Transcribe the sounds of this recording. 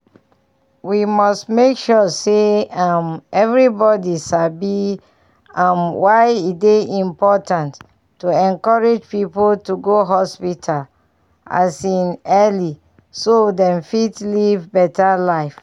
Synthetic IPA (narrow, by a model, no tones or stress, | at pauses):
wimɔstmekʃɔseamɛvɹibɔdiʃabi | amwaɪideĩmpɔtãntː | uɛ̃nkɔɹed͡ʒpipoltuɡoɦɔspitʰal | a̰sĩnɛli | sodɛ̃mfitlivbɛtalaɪf